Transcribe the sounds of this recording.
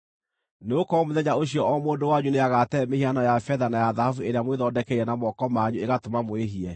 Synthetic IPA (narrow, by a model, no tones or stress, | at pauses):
neokɔmoðɛɲaoɕiɔɔmoːndowaɲuneaɣatɛmehianɔjafɛðanajaðahafueɾeamweðɔdɛkɛiɾɛnamɔkɔmaɲueɣatomamoeɦiɛ